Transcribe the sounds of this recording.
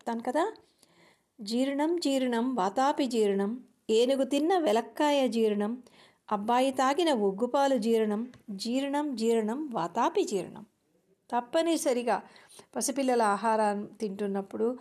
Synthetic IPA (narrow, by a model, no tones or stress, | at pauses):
t̪aːmkɐd̪aː | d͡ʒiːɾɐɳɐmd͡ʒiːɾɐɳɐmʋaːt̪aːpid͡ʒiːɾɐɳɐm | eːnuɡut̪inːɐʋɛlɐkːaːjɐd͡ʒiːɾɐɳɐm | ɐbːaːjit̪aːɡinɐʋoɡːupaːlud͡ʒiːɾɐɳɐmd͡ʒiːɾɐɳɐmd͡ʒiːɾɐɳɐmʋaːt̪aːpid͡ʒiːɾɐ̰ɳɐ̰m | t̪ɐpːɐnisɐɾiɡaː | pɐsupilːɐlɐaːɦaːɾaːnut̪iɳʈunːɐpːuɽu